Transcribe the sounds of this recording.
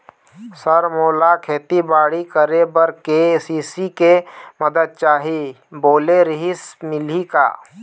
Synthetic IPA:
səɾmoːlakʰeːt̪ibaːɽikəɾebɐɾkesiːsikemɐd̪əd̪̚t͡ʃaːɦi | boːleɾɪɦismɪlika̰ː

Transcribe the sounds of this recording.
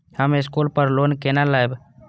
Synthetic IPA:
həmeskuːlpəɾloːnkeːnalaːjb

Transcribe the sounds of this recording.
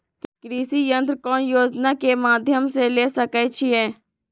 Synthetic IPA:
kkɾiːsijə̃nt̪ɾkɔːnjoːd͡ʒnakemaːd̪ʱjəmseleːsəkɛt͡ʃʰiɛː

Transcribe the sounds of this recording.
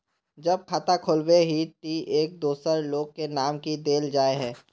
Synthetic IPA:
d͡ʒɐb̚kʰaːt̪akʰolweɦiʈ̪ieːk̚d̪uːsəɾloːɡ̚kenaːmkid̪eːld͡ʒaːeɦɛ̃ː

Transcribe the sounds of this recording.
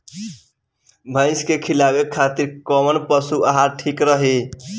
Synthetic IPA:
bʱə̃ɪ̃skekʰilabekʰːat̪iɾkəmənpəsuəɦãʈʰikɾəɦi

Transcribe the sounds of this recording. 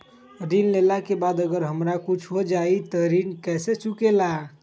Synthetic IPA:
ɾinlelakebad̪əɡəɾɦəmɾakut͡ʃʰɦod͡ʒait̪əɾinkɛset͡ʃukela

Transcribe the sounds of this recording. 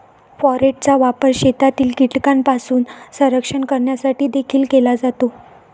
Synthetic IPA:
fɔɾeʈ̚t͡saʋapəɾɕet̪at̪iːlkiʈkampasuːnsə̃ɾəkʂəɳkəɾɳjasaʈiːd̪ekʰiːlkelad͡zat̪o

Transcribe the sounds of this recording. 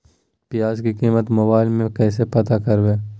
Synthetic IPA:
pɪjaːzkikiːmət̪mʊbaːɪlmẽkɛːs̬epɐt̪akɐɾbeː

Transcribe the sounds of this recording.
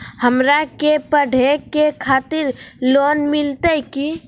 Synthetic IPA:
həmɾakepəɖʱekekʰaːt̪ɪɾloːnmɪlt̪əki

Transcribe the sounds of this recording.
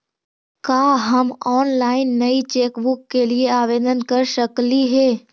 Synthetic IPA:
kaːɦɐmɔːnlaːɪnːɐit͡ʃeːkbʊkːelieaːʋeːd̪ənkɐɾʃəkliɦɛː

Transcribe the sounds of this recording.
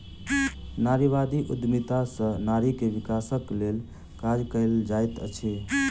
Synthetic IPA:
naɾiβad̪iʔud̪mit̪asə̃naɾikebikasəklel | kad͡ʒkəɪld͡ʒajt̪ə̰t͡ʃʰi

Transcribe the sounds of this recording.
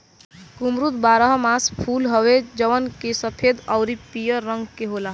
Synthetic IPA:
kumɾut̪baɾəɦmaspʰulɦəwed͡ʒəʋənkesəpʰed̪əwɾipijəɾːəŋɡkeɦolaɦ

